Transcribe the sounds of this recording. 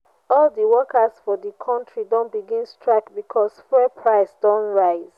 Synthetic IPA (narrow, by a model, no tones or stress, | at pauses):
ɔldəwɔkasfɔdəkʰɔ̃ntɹidɔ̃nbiɡĩnstɹakbikʰɔsfɛpʰɹaɪsdɔ̃nɹaɪz